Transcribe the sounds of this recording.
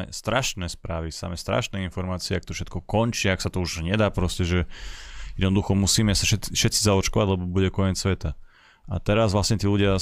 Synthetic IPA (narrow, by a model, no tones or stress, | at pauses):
ɛ̰st̪ɾaʃnɛːspɾaːʋisa̰mɛst̪ɾa̰ʃnɛinfɔɾmaːt͡siɛak̚t̪ɔfʃɛt̪̚kɔkɔnt͡ʃiːaksat̪ɔuʒɲɛd̪aːpɾɔscɛʒɛjɛd̪nɔd̪uxɔmusiːmɛasaʃɛʃɛt̪t͡sizaɔt͡ʃkɔʋaɟlɛbɔbuɟɛkɔɲɛt͡ssʋɛt̪a | at̪ɛɾazʋlasɲɛt̪iːluɟɪa